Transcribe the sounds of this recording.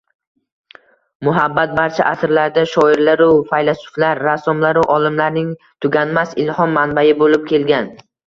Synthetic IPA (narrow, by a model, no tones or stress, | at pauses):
mʊɦabːat̪̚baɾt͡ʃʰaʔasɪɾlaɾd̪aʃɒɪɾlaɾʊfajlasʊ̥flaɾːasɒmlaɾɪʔɒlˠɪmlaɾnɪŋ | t̪ʰʊɡʲanmasɪlhɒmːanbajɪbolɪp̚kʲʰe̞lɡʲan